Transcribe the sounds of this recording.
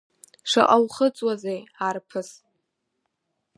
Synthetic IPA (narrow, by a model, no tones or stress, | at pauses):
ʂa̰ʔʼawχət͡sʼwazejarpʰɨs